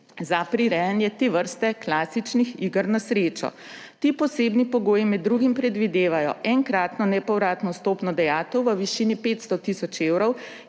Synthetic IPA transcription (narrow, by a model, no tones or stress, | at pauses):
zapɾiɾɛjənjɛt̪eʋəɾst̪ɛklaːsit͡ʃnixiːɡəɾnɔsɾeːt͡ʃɔ̰ | t̪iːpɔseːbnipɔɡoːjimɛd̪ːɾuːɡimpɾɛd̪ʋid̪eːʋajɔ̰ʔɛŋkɾaːt̪nɔnɛpɔwɾaːt̪nɔst̪oːpnɔd̪ɛjaːt̪əwʋəʋiʃinipeːt̪st̪ɔt̪isɔt͡ʃeːwɾɔw